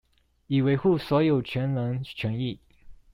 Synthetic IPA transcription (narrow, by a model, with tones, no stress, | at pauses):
i˨˩we˧˥ɪxu˥˩swɔ˧˥jo˨˩ʊt͡ɕʰɥɛ˧˥nlə˧˥ŋt͡ɕʰɥɛ˧˥ni˥˩